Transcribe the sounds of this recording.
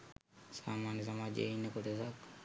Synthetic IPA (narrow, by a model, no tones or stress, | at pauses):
saːmaːnjis̬amaːd͡ʒḛinːekoʈesak